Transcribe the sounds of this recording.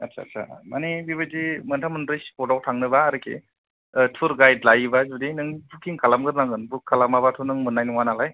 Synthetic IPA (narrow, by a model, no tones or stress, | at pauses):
atsʰa̰ːtsʰa̰manibiβadimɯntʰamɯnɾɯjsi̥pʰɔdawtʰaŋnɯbaːɾɯkʰḛ | tʰuɾɡajdlajbazudinɯŋbukiŋkʰalamɡɯɾnaŋɡɯnbukʰːalamaβatʰunɯŋmɯnːajnɯŋwanalaj